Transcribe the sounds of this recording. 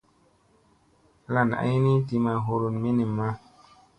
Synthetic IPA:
la˨n˨a̰˦jni˦ti˧ma˨ɦo˨ɾu˨nme˦ni˨mːa˦

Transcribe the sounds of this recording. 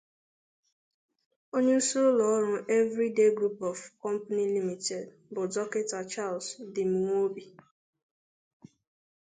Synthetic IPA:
o˦ɲe˦u˦su˦ɾʊ˦lɔ˨ɔ˦ɾʊ˦ʔe˦vɾi˦de˦ɡɾu˦pɔ˨fkɔ˦m̩˦pa˦ni˦li˦mi˨te˨d | bʊ˨dɔ˦ke˦ta˨t͡ʃa˦˨lsdɪ˨m˨ŋʷo˦bi˨

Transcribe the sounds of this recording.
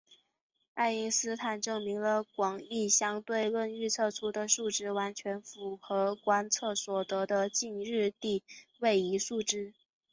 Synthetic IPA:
a˥˩ɪi˥ŋsɹ̩˥t̪ʰa˨˩nʈ͡ʂɤ˥˩ŋmi˧˥ŋlə˧kwɑ˨˩ŋi˥˩ɕjɑ˥ŋt̪we˥˧ɪlwə˥˧ny˥˧t͡sʰɤ˥˩t͡sʰu˥d̪ə˨ʂu˥˩ʈ͡ʂɻ̩˥˩wa˧˥nt͡ɕʰɥɛ˧˥nfu˨˩xɤ˧˥kwa˥nt͡sʰɤ˥˩swɔ˨˩t̪ɤ˧˥d̪ə˧t͡ɕi˥˧nɻɻ̩˥˧t̪i˥˧we˥˩ɪi˧˥ʂu˥˩ʈ͡ʂɻ̩˥

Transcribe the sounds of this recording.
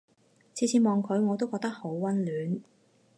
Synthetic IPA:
t͡sʰiː˨˥t͡sʰiː˧˥mɔː˨ŋkʰɵ˨˧ɥŋɔː˨˧t̪o˥wkɔː˧k̚t̪ɐ˥k̚ho˨˥wwɐ˥nlyː˨˥n

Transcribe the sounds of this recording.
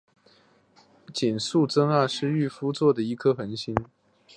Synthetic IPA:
t͡ɕi˨˩nsu˥˩t͡sɤ˥ŋa˥˩ʂɻ̩˥˧y˥˩fu˥t͡swɔ˥˩d̪ə˩i˧˥kʰɤ˥xə˧˥nɕi˥n

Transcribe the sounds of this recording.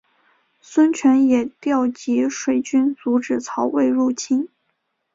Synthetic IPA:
swə˥nt͡ɕʰɥɛ˧˥njɛ˨˩t̪jɑ˥˩ʊt͡ɕi˧˥ʂwe˨˩ɪt͡ɕy˥nt͡su˧˥ʈ͡ʂɻ̩˨˩t͡sʰɑ˧˥ʊwe˥˧ɪɻu˥˩t͡ɕʰi˥n

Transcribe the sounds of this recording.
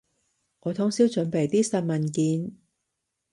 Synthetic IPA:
ŋɔː˨˧t̪ʰʊ˥ŋsiː˥wt͡ʃɵ˨˧˥npe˨˩jt̪iː˥sɐ˧n̚mɐ˨nkiː˨˧n

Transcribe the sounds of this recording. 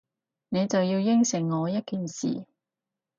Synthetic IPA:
ne˨˧jt͡sɐ˨wjiː˧wjɪ˥ŋsɪ˨˩ŋːɔː˨˧jɐ˥t̚kiː˨nsḭː˨˩

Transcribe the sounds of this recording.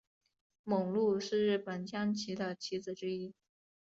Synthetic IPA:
mɤ˨˩ŋlu˥˧ʂɻ̩˥˧ɻɻ̩˥˩pə˨˩nt͡ɕʰjɑ˥ŋt͡ɕʰi˧˥d̪ə˧t͡ɕʰi˧˥d͡zɹ̩˨˩ʈ͡ʂɻ̩˥i˥

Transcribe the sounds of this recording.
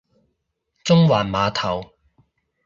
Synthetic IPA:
t͡sʊ˥ŋwaː˨˩nmaː˨˧t̪ʰɐ˨˩w

